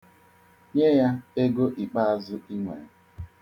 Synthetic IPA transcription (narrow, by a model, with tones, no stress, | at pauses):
ɲe˦ja˦e˦ɡo˦ʔi˨k͡pa˦˨zʊ˦i˦ŋʷḛ˨